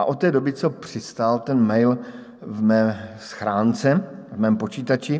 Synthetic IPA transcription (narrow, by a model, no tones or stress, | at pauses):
ʔa̰ʔot̪ːɛːdo̞bɪt͡sopr̝̥ɪst̪alt̪ɛnmɛjl | vmɛːsxɾaːnt͡sɛvmɛːmpo̞t͡ʃiːt̪at͡ʃɪ